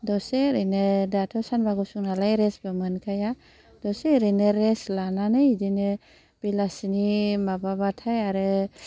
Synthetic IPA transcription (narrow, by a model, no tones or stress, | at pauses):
dɔseɾɯnɯdatʰɔsanbaɡusuŋnalajɾesbɯmɯnkʰaja | d̥ɔseɾɯnɯɾeslananɯidinɯ | b̥ilasinimababatʰajaɾɯ